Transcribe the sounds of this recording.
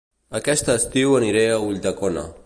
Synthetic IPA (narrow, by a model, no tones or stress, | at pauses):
akɛst̪aːst̪iwaniɾeauʎʲd̪akona̰